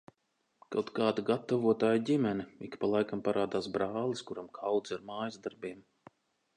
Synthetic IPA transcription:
kawt̪kaːd̪aɡat̪ːavuɔt̪aːjɟʲimɛniikpalˠajkampaɾaːd̪aːsbɾaːlˠiskuɾamkʰawd̪zaɾmaːjzd̪aɾbʲiɛm

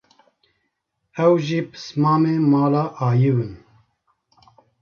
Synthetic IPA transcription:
ɛwʒipʰɨ̥smaːmeːmaːlaːʔaːjɨwɨn

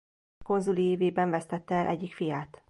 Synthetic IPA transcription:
ko̞nzulieːveːbɛɱvɛst̪ɛt̪ːɛɛlʔɛɟːikfijaːt̪

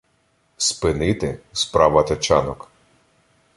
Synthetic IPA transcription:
spɪnɪt̪ɪspɾɑʋɐt̪ɐt͡ʃɑnɔk

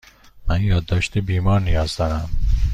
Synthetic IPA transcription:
mænjɒːd̪ːɒːʃt̪ebiːmɒːɾnijɒːzd̪ɒnæm

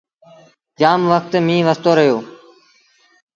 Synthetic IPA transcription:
d͡ʒaːmʋək̚t̪mĩːʋəst̪oːɾəɦjoː

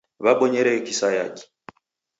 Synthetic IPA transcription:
βaɓɔɲɛɾɛkisaja̰ki̥

